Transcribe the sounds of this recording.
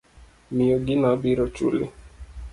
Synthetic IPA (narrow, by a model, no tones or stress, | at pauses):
miɔɡinabiɾɔt͡ʃṵlḭ